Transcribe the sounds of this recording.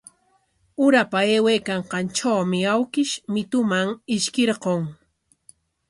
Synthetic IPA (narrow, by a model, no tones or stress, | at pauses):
ʊɾapaeːwejkaɴqɑnt͡ʃawmɪawkɪʃmɪt̪ʊmaŋɪʃkeɾqoŋ